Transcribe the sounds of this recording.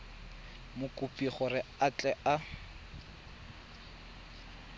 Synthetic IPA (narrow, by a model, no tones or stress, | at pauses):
mʊkʼʊpʼiχɔrɪat͡ɬʼɛʔa